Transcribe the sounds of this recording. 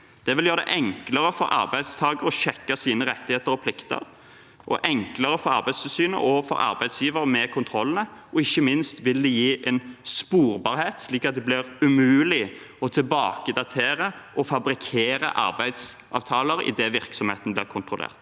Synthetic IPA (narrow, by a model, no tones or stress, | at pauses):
d̪̥ɛʋɪljøːɾd̪ɛ̰ʔɛŋkləɾəfɔɾʔɑ̰ɾbæɪd̪st̪ʰɑːɡəɾɔʃɛkːɑsiːnəɾɛt̪ːɪheːt̪əɾɔpʰlɪkt̪ə̰ɾ | ʔɔ̰ʔɛŋkləɾəfɔɾɑ̰ɾbæɪst̪ʰɪlsyːnə̰ʔɔfɔ̰ɾɑ̰ɾbæɪd̪sjiːʋəɾəmɛkʰʊnt̪ʰɾɔlːənəɔɪçːəmɪnst̪ʋɪld̪ɛjiːʔɛnspuːɾbɑːɾheːt̪sliːkɑt̪̚d̪ɛblɪɾʉmʉːlɪ | ɔt̪ʰɪlbɑ̰ːkəd̪ɑt̪ʰeːɾəʔɔfɑbɾɪkʰeːɾə̰ʔɑ̰ɾbæɪd̪sʔɑ̰ːʋt̪ʰɑːləɾɪ̰d̪ɛʋɪɾksɔmheːt̪nblɪʁɾkʰʊnt̪ɾʁʊlḛːʁt̪